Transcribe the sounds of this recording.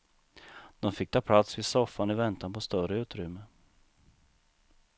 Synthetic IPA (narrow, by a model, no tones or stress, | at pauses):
d̪̥ɔmfɪk̚ːt̪ʰɑːpʰlat̪svɪd̪sɔfanɪvɛnt̪anpʰɔst̪œrəʉ̟ːt̪ɾʏmːə